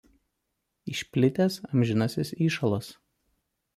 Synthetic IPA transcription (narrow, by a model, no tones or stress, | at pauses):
ɪʃʲpʲlʲɪt̪ʲeːsɐmʲʒʲɪnɐsʲɪsiːʃɐlˠɐs